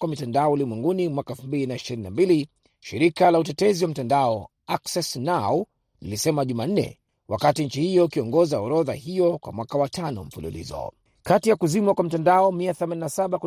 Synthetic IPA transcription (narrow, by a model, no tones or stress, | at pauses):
kwamitandaɔulimwɛŋɡunimwakaɛfumbilinaiʃiɾinːambili | ʃiɾikalautɛtɛziwam̩tandaɔ | aksɛsnaw | nḭlisɛmaʄuman̩nɛ̰ | wʔa̰katiɲt͡ʃihijɔikiɔŋɡɔzaɔɾɔða̰hijɔkwa̰mwakawatanɔ̰m̩fulṵlḭzɔ̰ | katijakuzimwakwam̩tandaɔmiaθɛmaninasaɓaku